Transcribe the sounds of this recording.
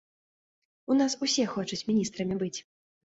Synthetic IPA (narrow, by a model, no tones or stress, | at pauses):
unasusʲɛxɔt͡ʂɐt͡sʲmʲinʲist̪ɾɐmʲibɨt͡sʲ